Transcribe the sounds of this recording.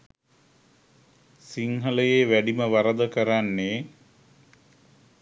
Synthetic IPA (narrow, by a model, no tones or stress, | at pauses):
siŋɦələjeːʋæɖiməʋaɾəd̪əkəɾanːe